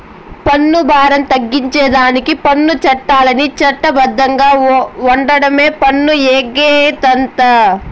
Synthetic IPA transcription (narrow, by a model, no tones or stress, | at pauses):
pɐnːubʱaːɾɐmt̪ɐɡːiɲt͡ʃɛːd̪aːnikipɐnːut͡ʃɐʈːaːlɐnit͡ʃɐʈːɐbɐd̪ʱːɐŋɡaːɐɳɖɐɽɐme̞ːpɐnːueːɡeːt̪ɐnt̪ɐ